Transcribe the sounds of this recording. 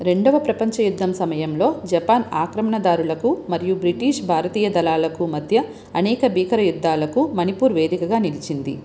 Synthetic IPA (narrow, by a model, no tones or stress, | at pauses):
ɾe̞ɳɖɐʋɐpɾɐpɐɲt͡ʃɐjud̪ʱːɐmsɐmɐjɐmlo̞ːd͡ʒɐpaːna̰ːkɾɐmɐɳɐd̪aːɾulɐkumɐɾijubɾiʈiːʂbʱaːɾɐt̪iːjɐd̪ɐlaːlɐkumɐd̪ʱjɐ | ɐnɛːkɐbʱiːkɐɾɐjud̪ːaːlɐkumɐnipuːɾʋe̞ːd̪ikɐɡaːnilit͡ʃind̪ḭ